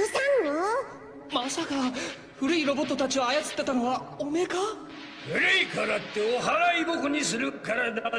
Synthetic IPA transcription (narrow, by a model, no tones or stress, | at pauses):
ɯsanːa | masaka | ɸɯ̟ɾɯ̟iɾo̞bo̞t̪ːot̪at͡ɕioajat͡sɨ̥t̪ːe̞t̪ano̞βaomeka | beɾɯikʰaɾat̪ːeoɦaɾaibokɯɲis̬ɨɾɯkaɾad̪a